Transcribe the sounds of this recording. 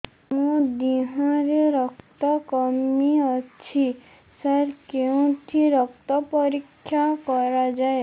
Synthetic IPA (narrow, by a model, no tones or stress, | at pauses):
mũd̪iɦãɾeɾɔkt̪ɔkɔmiɔt͡ʃʰi | saɾkeũt̪ʰiɾɔkt̪ɔpɔɾikʰːjakɔɾad͡ʒae